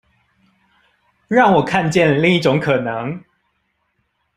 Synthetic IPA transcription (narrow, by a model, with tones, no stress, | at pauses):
ɻɑ˥˩ŋwɔ˨˩kʰa˥˧nt͡ɕjɛ˥˨nli˥˧ŋi˥˩ʈ͡ʂʊ˨˧˦ŋkʰɤ˨˩nə˨˧˦ŋ